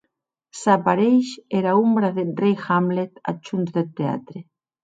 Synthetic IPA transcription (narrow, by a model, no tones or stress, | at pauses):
sapaɾejʃɛɾaumbɾaðerejxamlet̪a̰t͡ʃunt̪ðet̪ea̰t̪ɾe